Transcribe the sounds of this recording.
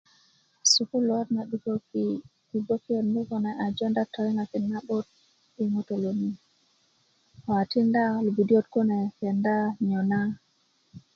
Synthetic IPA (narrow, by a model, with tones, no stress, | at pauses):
su˨ku˦lwɔ˦tna˨ɗu˨ko˦ki˨ki˨bo˦ki˦o˨nmu˦kɔ˨nɛ˨ʔa˨d͡ʒɔ˦nda˦tʰɔ˨i˦ŋa˨ki˨nːa˦bo˦t̚ | i˨ŋo˦to˨lo˨ni˦ | ɔ˨a˨ti˦nda˦lu˨bi˨di˦o˦t̚ko˦nɛ˨kɛ˨nda˦ɲɔ˨na˦